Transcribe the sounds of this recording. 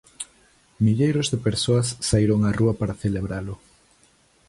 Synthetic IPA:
miʎejɾozðepeɾsoasːaiɾoŋaruɐpaɾaθeleβɾalʊ

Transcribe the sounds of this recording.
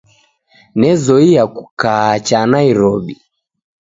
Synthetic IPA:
nɛzɔijakukat͡ʃanaiɾɔɓi

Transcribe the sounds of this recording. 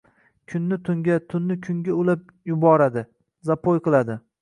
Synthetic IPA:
kʲʰʊnːɪt̪ʰʊŋɡʲat̪ʰʊnːɪkʲʰʊŋɡʲaʊlap̚ | jʊbɒɾad̪ɪ | zapʰojqɨlˠad̪ɪ

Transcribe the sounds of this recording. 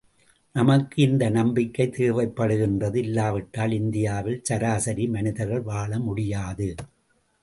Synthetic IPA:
nɐmɐkːɯɪnd̪ɐnɐmbɪkːɐɪt̪eːʋɐɪpːɐɽɯɣɪndrɐðɯɪlːaːʋɐʈːaːlɪnd̪ɪjaːʋɪlt͡ʃɐɾaːsɐɾimɐnɪðɐɾɣɐɭʋaːɭɐmʊɽɪjaːðɯ

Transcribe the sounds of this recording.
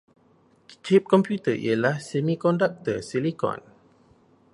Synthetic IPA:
t͡ʃʰip̚kɔ̃mpjut̪əʔḭəlahsɛmikɔndak̚t̪əsilikɔ̰̃n

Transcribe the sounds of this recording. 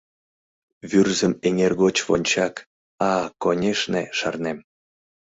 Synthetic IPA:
βyrzəmeŋerɣot͡ɕβonʲt͡ɕɑk | ɑkonʲeʃneʃɑ̰rnem

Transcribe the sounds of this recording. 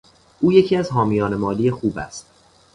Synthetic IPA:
ʔuːje̞cʰiːæzɦɒːmijɒːne̞mɒːlijexuːbæ̰st̪̚

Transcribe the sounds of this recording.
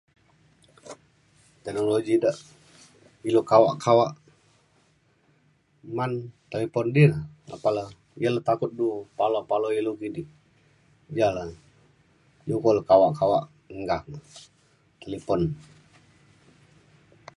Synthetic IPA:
t̪ɛknoloɡidəʔ | ilokawaʔkʰawaʔ | mant̪elepɔndiləa̰palə | jələt̪akut̪̚dupalopaloilukini | d͡ʒalə | jukoləkawaʔkawaʔ | əŋɡak | t̪elipɔn

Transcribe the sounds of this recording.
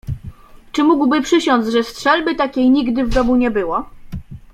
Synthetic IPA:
t͡ʂɘmuɡwbɘpʂɘɕɔnd̪zʐɛstʂɛlbɘt̪akʲejɲiɡd̪ɘvd̪ɔmuɲɛbɘwɔ

